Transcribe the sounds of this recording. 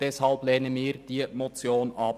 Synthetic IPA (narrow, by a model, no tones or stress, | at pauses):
d̥ɛshɑlplɛːnəmiːɾd̥iːmot͡sjoːnʔɑp